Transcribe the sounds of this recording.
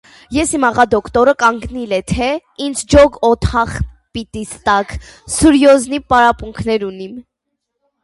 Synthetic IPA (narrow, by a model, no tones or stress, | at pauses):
jɛsimɑʁɑd̪ɔkt̪ɔɾəkɑŋɡnilɛt̪ʰɛind͡zʰd͡ʒɔɡɔt̪ʰɑχ | pit̪ist̪ɑksuɾjɔznipɑɾɑpuŋkʰnɛɾunim